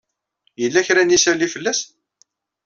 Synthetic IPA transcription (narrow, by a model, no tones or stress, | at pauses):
jəlːæçɾænisælːifəlːæs